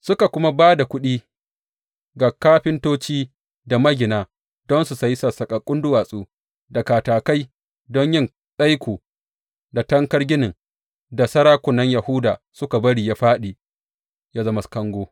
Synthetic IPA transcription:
sʊ˦ka˨kʷʊ˦ma˦baː˦da˨kʷʊ˦ɗiː˦ | ɡa˨kːaː˦ɸɪ˦ntoː˦t͡ʃiː˦ | da˨mɐ˦ɡʲɪ˨naː˨ | dɔ˦nsu˨sa˦jsa˨sɐ˨kʼa˨kʼʊ˦ndʊ˦waː˨sʼuː˦ | da˨kaː˨taː˨ka˦j | dɔ˦ɲjɪ˦n | ɗa˦jkʷoː˨ | da˨tɐ˦ŋkɐ˦rɡʲɪ˦nɪ˨ŋ | da˨sɐ˦ɾaː˦kʷʊ˨nːɐ˦ɲjɐ˨hʊ˦daː˨ | sʊ˦ka˨bɐ˦ɽiː˨ja˦ɸaː˦ɗiː˨ | ja˦zɐ˦ma˨skɐ˦ŋɡʷoː˦

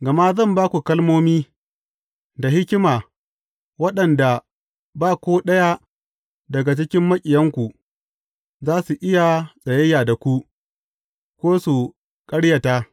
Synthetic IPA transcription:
ɡɐ˨ma˦zɐ˦˨mbaː˦kʷu˨kɐ˦lmoː˦miː˦ | da˨hɪ˦kʲɪ˦maː˨ | wɐ˦ɗɐ˨nda˨ | baː˦˨kʷoː˦ɗɐ˦ja˦ | dɐ˨ɡa˨t͡ʃɪ˦kʲɪ˦mːɐ˦kʲʼɪ˨jɐ˦ŋkʷu˨ | zaː˦su˨ʔɪ˦ja˨sʼɐ˨jɐ˦jaː˨da˨kʷu˦ | kʷoː˦su˨ | kʼɐ˦ɽja˨taː˦

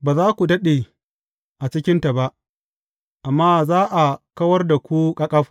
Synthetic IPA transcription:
baː˨zaː˦kʷu˨dɐ˦ɗe˨ | ʔa˨t͡ʃɪ˦kʲɪ˦nta˨ba˦ʔ | ʔa˨mːaː˦zaː˦ʔa˨kɐ˦wɐ˦rda˨kʷu˦kʼɐ˦kʼɐ˦ɸ

